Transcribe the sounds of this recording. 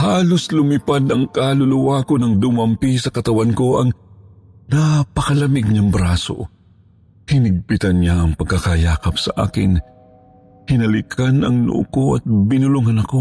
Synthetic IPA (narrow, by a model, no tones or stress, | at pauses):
haːloslʊmɪpad̪ɐŋkalʊlʊwakonɐŋd̪ʊmɐmpisɐkɐt̪ɐwanko̞ʔɐŋ | napɐkɐlɐmɪɡ̚ɲɐŋbɾaːso̰ | hɪnɪɡ̚pɪt̪ɐnɲaɐŋpɐɡ̚kːakajaːkɐpsɐʔa̰ːkɪ̰n | hɪnɐlɪkʰanɐŋnʊ̰ʔʊ̰koʔɐt̪̚bɪnʊlʊŋɐnɐko̞